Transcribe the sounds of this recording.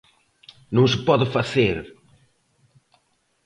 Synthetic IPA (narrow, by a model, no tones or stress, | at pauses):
nõŋs̬ɪpɔðɪfaθeɾ